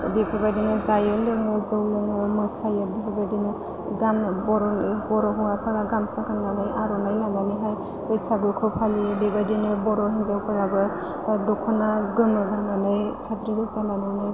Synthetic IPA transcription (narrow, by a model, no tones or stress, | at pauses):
bepʰabadinɯzajɯlɯŋɯzɯwlɯŋɯmɯsajɯbepʰabadinɯ | ɡamnɯbɔɾɔnihɔɾɔɦuapʰaɾaɡamsaɡanɡanajʔaɾɔnajlaŋɡaniɦaj | ɔjsaɡɯkʰɯwpʰalibebadinɯbɔɾɔɦinzawpʰaɾabɯ | dɔkʰɔnaɡɯmɯɡanɡanɯjsadɾiɡɯzalananɯ